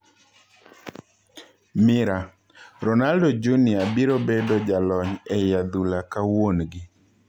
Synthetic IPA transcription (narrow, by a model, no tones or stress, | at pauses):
mɪɾa | ɾɔnaldɔd͡ʒunɪabiɾobedɔd͡ʒalɔɲɛjad̪ulakawonɡɪ